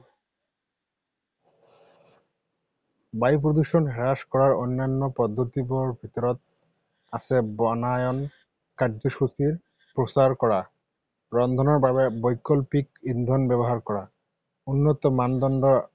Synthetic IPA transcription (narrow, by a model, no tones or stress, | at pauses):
bajp̬ɾod̪uʃonɦɛɾaʃkɔɾaɾonːanːopɔd̪ːot̪ipoɾbʱit̪oɾot̪̚ | asʰebɔnajon | kaɾd͡ʑoʃut͡ɕiɾ | pɾosaɾkɔɾa | ɾɔnd̪ʱonoɾbʱaβebɔjkːolpikind̪ʱonbɛboɦaɾkɔɾa | unːot̪ɔmand̪ɔnɖo